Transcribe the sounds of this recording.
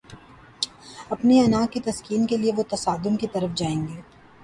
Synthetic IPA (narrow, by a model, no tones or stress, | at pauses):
ɐpneɐnaːkːit̪ɐskiːnkelieʋot̪ɐsaːd̪ʊmkit̪ɐɾəfd͡ʒaːẽːŋɡeː